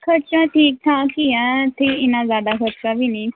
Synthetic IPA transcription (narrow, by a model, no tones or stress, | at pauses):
kʰəɾt͡ʃãːʈʰiːk̚t̪ʰãːkiɛ̃ːt̪ʰeːɪnãːzjaːd̪aːkʰəɾt͡ʃãːbiːniː